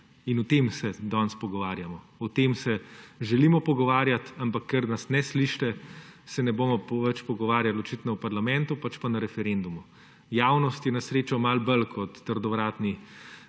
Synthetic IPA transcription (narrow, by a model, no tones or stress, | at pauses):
inɔt̪emsɛd̪ɔnspɔɡɔʋaːɾjamɔ | ɔt̪emsɛʒɛlimɔpɔɡɔʋaːɾjat̪ampakʰːəɾnɐsnɛsliːʃt̪ɛsɛnɛboːmɔpɔʋɛt͡ʃpɔɡɔʋaːɾjalɔt͡ʃit̪nɔwpaɾlamɛnt̪upat͡ʃpanɐɾɛfɛɾend̪umu | jaːwnɔst̪jɛnɐsɾeːt͡ʃɔmalbəlkʰɔt̪ːəɾd̪ɔʋɾaːt̪ni